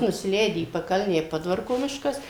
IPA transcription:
nʊsʲɪˈlʲɛɪdʲɪ iː pɐˈkɐlʲnʲæː ɪ ˈpoːdʋɐrkoː ˈmʲɪʃkɐs

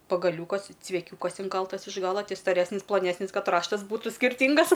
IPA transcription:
pɐɡɐˈlʲuːkɐs t͡sʲʋʲɛˈkʲuːkɐs ɪŋˈkɐlˠtɐs ɪʃ ˈɡɑːlˠɐ ˈtʲɪ stɐˈrʲæːsʲnʲɪs plˠɐˈnʲæːsʲnʲɪs ˈkɐt ˈrɑːʃtɐs ˈbuːtʊ sʲkʲɪrʲˈtʲiːŋɡɐs

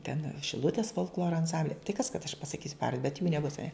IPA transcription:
tʲɛn ʃʲɪˈlˠʊtʲeːs foːlˠkˈlˠoːroː ɐnˈsɐmʲbʲlʲɛ tɐɪ kɐs kɐt ɐʃ pɐsɐˈkʲiːsʲʊ ˈpɑːʋɐr bʲɛt juː nʲɛˈbʊs ɐˈnʲɛ

